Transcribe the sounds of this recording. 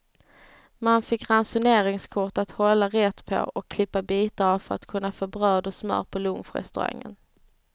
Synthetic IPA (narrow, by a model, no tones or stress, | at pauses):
manfɪkːɾansʊneːɾɪŋskʰʊʈat̪hɔlːaɾɛt̪ːpʰɔ̰ʔɔkʰːlɪpːabiːt̪aavfœɾa̰t̪kʰɵnːafoːbɾœːd̪ɔsmœ̰ːɾpʰɔlɵmfɾɛ̰st̪ɵɾa̰ŋːə̰n